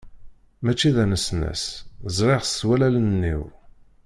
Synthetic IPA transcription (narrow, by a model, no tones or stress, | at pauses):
mæt͡ʃːiðænəsnæ̰szˤɾeʁswælælənnːḭw